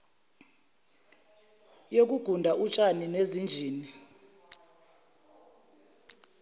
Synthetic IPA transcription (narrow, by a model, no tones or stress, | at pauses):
jok̬uɡ̥ʱundʱaʔut͡ʃʼaninezind͡ʒʱiːni